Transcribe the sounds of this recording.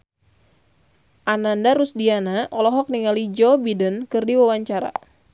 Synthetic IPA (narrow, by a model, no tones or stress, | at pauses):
ʔanandaɾusdianaʔɔlɔɦɔk̚niŋalid͡ʒɔbidənkɨrdiwawaɲt͡ʃaɾa̰